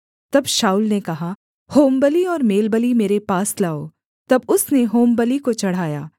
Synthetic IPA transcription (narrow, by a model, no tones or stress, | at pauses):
t̪ɐbʃaːʊlnekɐɦa | hoːmbəliɔːɾmeːlbəlimeːɾepaːslaːoː | t̪ɐbʊsneɦoːmbəlikot͡ʃɐɽ̤aːjaː